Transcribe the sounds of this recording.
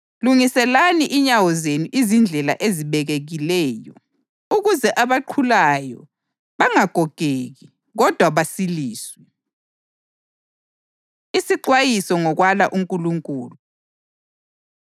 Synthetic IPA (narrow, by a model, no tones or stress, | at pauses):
luŋisɛlaniʔiɲawɔzenuʔizind͡ɮʱɛla̰ʔeziβɛɣeɣilɛːjɔ̰ | uɣuzɛʔaβaǃʰulajɔ̰ | βaŋaɡ̥ʱɔɡ̥ʱeɣi | ɣɔd̥ʱwaβasiliːswɛ | isiǃwajisɔŋɔɣwalaʔuŋkʼuluŋkʼuːlu